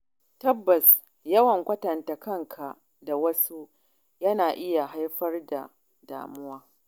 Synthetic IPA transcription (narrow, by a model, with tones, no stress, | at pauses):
tɐ˦bːɐ˨s | jɐ˦wɐ˨ŋkʷɐ˦tɐ˨ntɐ˨kɐ˦˨ŋkʰa˨ | da˨wɐ˦su˦ | jɐ˦naː˨ʔɪ˦ja˨ɦa˦jɸɐ˦rda̰˨ | da̰ː˨mʊ˦waː˦